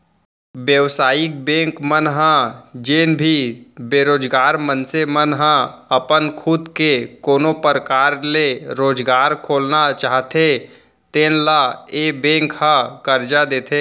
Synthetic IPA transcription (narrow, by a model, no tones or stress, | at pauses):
bjəʋsaːɪk̚bɛ̃ːŋkmənɦãd͡ʒeːnbʱibeːɾoːd͡ʒɡaːɾmənsemənɦãɐpənkʰʊd̪kekoːnopəɾkaːɾleɾoːd͡ʒɡaːɾkʰoːlnat͡ʃaːɦt̪ʰe | t̪eːnlaeːbẽːŋkhãkəɾd͡ʒad̪eːt̪ʰeː